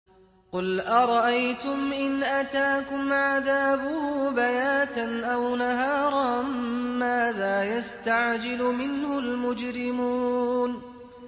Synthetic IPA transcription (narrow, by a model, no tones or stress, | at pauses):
qʊlʔaɾˤɑʔajt̪ʊmʔɪnʔat̪aːkʊmʕaðaːbʊhʊbajaːt̪anʔawnaɦaːɾˤɑmaːðaːjast̪aʕd͡ʒɪlʊmɪnhʊlmʊd͡ʒɾɪmuːn